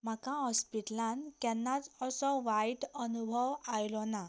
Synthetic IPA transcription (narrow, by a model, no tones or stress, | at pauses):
makãɔspiʈlankɛnːad͡zɔsɔwajʈɔnubʱɔwajlɔna